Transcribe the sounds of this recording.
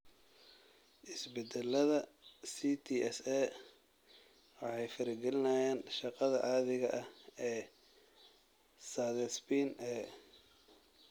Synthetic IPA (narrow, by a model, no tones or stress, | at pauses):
ʔɪsbɛd̪ɛlɐðɐsit̪ʰiːʔɛsɛː | wɑħɑjfɐɾɪɡɛlɪnɐjaːnʃɑqɑðɐʔaːðɪɣɐʔɐhɛː | saðɛspinʔɛ